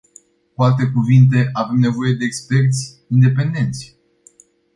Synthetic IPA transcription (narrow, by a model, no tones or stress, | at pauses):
kualt̪e̞kuvint̪̬e̞ʔave̞mne̞vo̞je̞d̪eːkspe̞rt̪sʲ | ind̪e̞pe̞nd̪e̞nt̪sʲ